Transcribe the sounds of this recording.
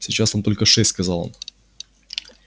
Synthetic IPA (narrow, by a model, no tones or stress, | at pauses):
sʲɪt͡ɕasot̪o̞lʲkəʂɛsʲt̪ʲskɐzɑlˠo̰n